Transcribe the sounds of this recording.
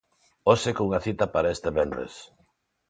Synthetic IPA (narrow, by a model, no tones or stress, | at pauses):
osekouŋaθit̪ɐpaɾaest̪eβenrḛs